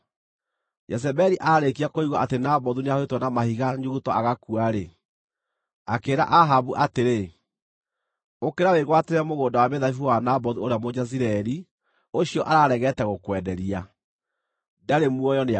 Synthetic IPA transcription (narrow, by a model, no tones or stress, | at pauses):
jɛs̬ɛbɛɾiʔaɾekiakoiɣɔʔatenabɔðuneahwetwɔnamahiɣaɲuɣutɔaɣakuaɾe | akeːɾa̰ʔaɦaβuʔateɾe | okeɾaweɣwateɾɛmoɣoːndawaβeðaifuwanabɔðuoɾeamod͡ʒaziɾɛɾi | oɕiɔʔaɾaːɾɛɣɛtɛɣokwɛdɛɾia | daɾemuɔjɔne